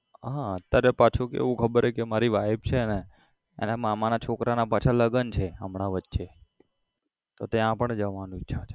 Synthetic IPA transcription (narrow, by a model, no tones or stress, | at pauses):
ɦãət̪jaɾepat͡ʃʰukeḛʋũkʰəbəɾekemaɾiʋajb̚t͡ʃʰene | ḛnamamanat͡ʃʰokɾʔanapat͡ʃʰaləɡənt͡ʃʰeəmɳaʋətːʃe | t̪ot̪eãpəɳd͡ʒəʋanũitːʃʰat͡ʃʰe̥